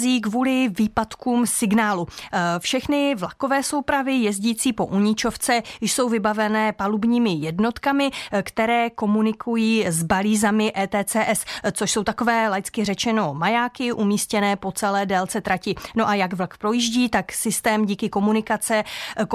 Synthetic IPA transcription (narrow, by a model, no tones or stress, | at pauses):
ziːkvuːlɪviːpat̪kuːmsɪɡnaːlufʃɛxnɪvlako̞vɛːso̞wpɾavɪjɛzɟiːt͡siːpo̞̰ʔuɲɪt͡ʃo̞ft͡sɛjɪjso̞wvɪbavɛnɛːpalubɲiːmɪjɛdno̞t̪kamɪkt̪ɛɾɛːko̞munɪkʰujiːzbaliːzamɪʔɛːt̪ɛːt͡sɛːʔɛst͡soʃso̞wt̪ako̞vɛːlajt͡skɪrɛt͡ʃɛno̞majaːkɪʔumiːscɛnɛːpo̞t͡sɛlɛːdɛlt͡sɛt̪ɾacɪno̞ʔajaɡvlkpɾo̞jiʒɟiːt̪aksɪst̪ɛːmɟiːkɪko̞munɪkat͡sɛ